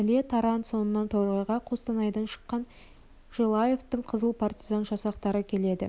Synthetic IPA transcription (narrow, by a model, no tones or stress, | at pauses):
ælet̪ʰɑɾɑnt̪so̞nənːɑnt̪ʰoɾʁɑjʁɑqʰost̪ɑnɑjd̪ɑnʃə̥qːɑn | ʒ̥elˠɑje̞ft̪əɴqʰəzəlˠpʰart̪ʲizɑnʒɑsɑqt̪ɑɾəkʲʰe̞le̞d̪ɪ̰